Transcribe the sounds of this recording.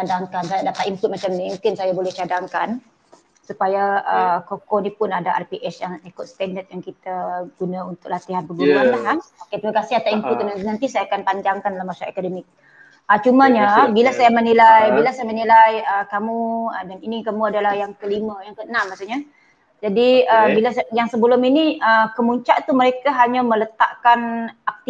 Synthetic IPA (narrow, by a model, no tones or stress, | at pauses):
t͡ʃadaŋkans̬ajadapat̪imput̪̚mat͡ʃamnimũkɪnsajabolɛht͡ʃadaŋkan | supajaəkokɔnipʊnadaʔa̰rpiʔɛsjaŋt̪ikʊt̪̚st̪ɛndət̪̚jaŋkit̪aɡ̥unãunt̪ʊk̚lat̪iɦanbəɡuɾuanlahaoket̪ɾimakasɪɦat̪aʔimput̪̚kənannant̪isajaakanpaɲd͡ʒaŋkandalamasaekademɪk̚ | ət͡ʃumaɲabilasajamənilajbilasajamənilajəkamuədaninikamuadalahjaŋkəlimãjaŋkəənãmmːasuɲa | d͡ʒadiəbilasjaŋsəbəlʊminiəkəmuɲt͡ʃaʔt̪uməɾekaɦaɲamələt̪a̰ʔkanak̚t̪i